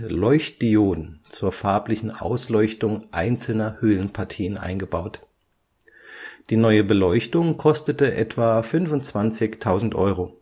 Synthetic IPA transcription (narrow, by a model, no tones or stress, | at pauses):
lɔʏçt̚d̥ioːdn̩t͡suːɐfaɐplɪçn̩ʔa̰ʊslɔʏçtʊŋʔaɪnt͡sl̩nɐhøːlənpʰaɐtʰiːənʔa̰ɪnɡəbaʊt | d̥iːnɔʏəbəlɔʏçtʊŋkʰɔstətəʔɛtv̥aːfʏnvʊntt͡sv̥ant͡sɪçtʰaʊzn̩tʔɔ̰ʏʁoː